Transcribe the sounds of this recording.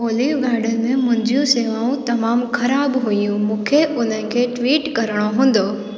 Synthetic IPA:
oːliːʋɡaːɾɖənɪ̆mẽmʊ̃ɦɪ̃ɲd͡ʑijũseːʋaːũt̪ɐmaːmxɐɾaːbɦʊijũmũːkʰeʔʊn̤ənɪ̆kʰeːʈʋiːʈkɐɾəɽ̃oɦũːn̆d̪oː

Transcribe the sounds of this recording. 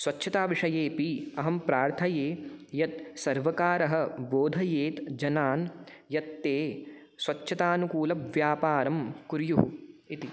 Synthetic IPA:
sʋɐtːʃʰɐt̪aːʋiʂɐjeːpiɐɦɐmpɾaːɾt̪ʰɐjeːjɐt̪̚sɐɾʋɐkaːɾɐɦɐ̆boːd̪ʱɐjeːt̪d͡ʒɐnaːn | jɐt̪ːeː | sʋɐt͡ʃːʃʰɐt̪aːnukuːlɐʋjaːpaːɾɐmkuɾjuɦṵit̪i

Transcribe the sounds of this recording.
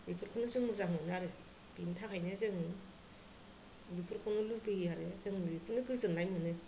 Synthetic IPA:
bipʰɯɾkʰɯnɯzɯŋmɯzaŋonaɾɯ | b̥intʰakʰajnezɯŋɯ | bipʰɯɾkʰɔnɯluɡɯijaɾɯzɯŋmbipʰɯɾnɯɡɯzɯŋlajmɯnɯ

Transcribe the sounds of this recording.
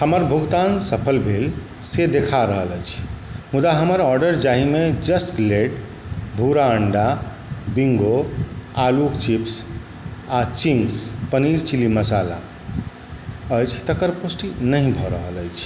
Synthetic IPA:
həməɾbʱuɡt̪ansəpʰəlbʱel | sed̪ekʰaɾəɦələjt͡ʃʰmud̪aɦəməɾɔɾɖəɾd͡ʒaɦimed͡ʒəsʈleɖ | bʱuɾaəɳɖa | biŋɡoalukt͡ʃips | at͡ʃiŋɡspəniɾt͡ʃiliməsala̰ | əjt͡ʃʰt̪əkəɾposʈinəɦĩbʱɔɾəɦələjt͡ʃʰ

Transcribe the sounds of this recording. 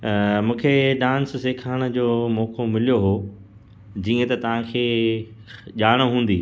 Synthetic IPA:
mũːkʰeɖãːnsseːkʰaːɽ̃ə̆d͡ʑoːmɔːkomɪlijoɦoː | d͡ʑiːə̃t̪ɐt̪ɐʋ̤ãkʰeː | ʄaːɽ̃ɦũːn̆d̪ḭː

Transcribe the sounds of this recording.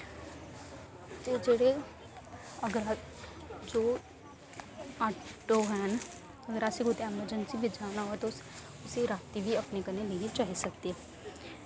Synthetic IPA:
d͡ʒed͡ʒeɽe | ɐɡəɾa | d͡ʒoː | aːʈoɦɛːn | ɐɡəɾaːseɡot̪eɛːməd͡ʒənsibʱɪd͡ʒaːnaɦot̪oʊs | ʊseɾaːt̪ibʱiɐpnekɐɾneliet͡ʃaːɦisɐk̚t̪eɛ

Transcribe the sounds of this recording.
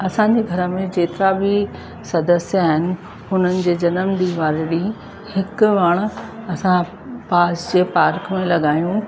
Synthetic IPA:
ɐsãɲd͡ʑeɡʱɐɾəmẽd͡ʑeːt̪ɪɾabʱɪ | sɐd̪əsjaːɦɪnɪ̆ | ɦʊnənɪ̆d͡ʑeːd͡ʑɐnəmd̪iːʋaːɾɽi | hɪkʊ̆ʋɐɽ̃ɐsã | paːsd͡ʑeːpaːɾkmẽlɐɠaːjũ

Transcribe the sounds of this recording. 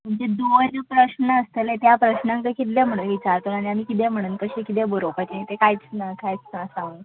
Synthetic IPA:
m̤əɳd͡zed̪onəpɾəɕnəːst̪əlet̪japɾəɕnãŋk̪əkit̪lem̤əɽ̃uːnʋit͡ɕaɾt̪onaɽ̃iamiːkit̪̬em̤əɽ̃uːnkəɕekit̪ebəɾopakinit̪ekajt͡snakajt͡snasãŋɡ

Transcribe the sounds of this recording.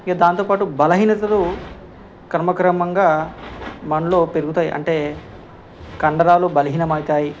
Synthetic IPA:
iɡaːd̪aːnt̪oːpaːʈubɐlɐɦiːnɐt̪ɐlu | kɐɾɐmɐkɾɐmɐŋɡaː | mɐɳɐloːpe̞ɾuɡut̪aːjḭʔɐ̰ɳʈe̞ː | kɐɳɖɐɾaːlubɐlɐɦiːnɐmɐjt̪aːji

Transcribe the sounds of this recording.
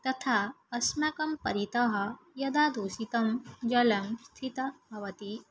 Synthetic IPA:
t̪ɐt̪ʰa | ɐsmakɐmpɐɾit̪ɐɦɐ | jɐd̪ad̪usit̪ɐmd͡ʒɐlɐmst̪ʰit̪ɐbʱɐʋɐt̪i

